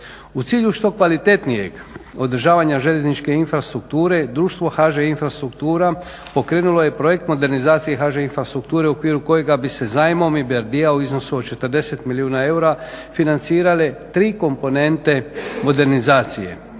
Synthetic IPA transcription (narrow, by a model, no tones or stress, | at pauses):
ut̪siːʎuʃt̪o̞kʋalit̪e̞t̪nije̞̰ɡo̞d̪ɾ̩ʒaːʋaɲaʒeʎeznit͡ʃke̞infɾast̪ɾuk̚t̪uːɾe̞d̪ɾuːʃt̪ʋo̞xaʒeinfɾast̪ɾukt̪uːɾa | po̞kɾe̞ːnulo̞je̞pɾo̞je̞kt̪mo̞d̪e̞ɾnizaːt̪sije̞xaʒeinfɾast̪ɾuk̚t̪uːɾe̞uokʋiːɾuko̞je̞ɡabise̞zaːjmo̞mibaɾd̪iauizno̞suot̪t͡ʃe̞t̪əɾd̪e̞se̞t̪miliuːnae̞uɾa | finant̪siːɾalet̪ɾiːko̞mpo̞ne̞nt̪e̞mo̞d̪e̞ɾnizaːt̪sije̞̰